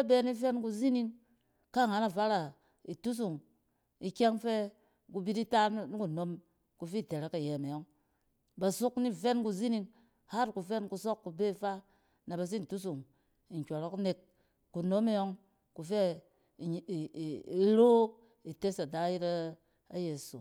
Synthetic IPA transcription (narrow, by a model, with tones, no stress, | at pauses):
a˦be˦ni˦fe˦nku˧zi˦ni˦ŋ | ka˦˨ŋa˨na˨fa˦ɾa˨ | i˨tu˦s̬u˨ŋ | i˨kʲe˦ŋfe˦ | ku˧bi˦ti˦ta˦n˦n˦ku˨no˦m | ku˧fi˦˨te˨ɾa˦ka˨je˨me˨jo˦ŋ | ba˨su˦kni˦fe˦nku˧zi˦ni˧˦ŋ | ha˦tku˨fe˦nku˧s̬o˦kːu˧be˦˨fa˦ | na˨ba˨s̬i˦n̩˨tu˦s̬u˨ŋ | i˨ŋ̩˨kʲʷo˨ɾo˦kne˨k̚ | ku˨no˦me˦jo˦ŋ | ku˨fe˦˨ | i˦ɾo˦ | i˨te˦sa˨da˨˦ji˦ɾa˦ | a̰˦je˨sṵ˨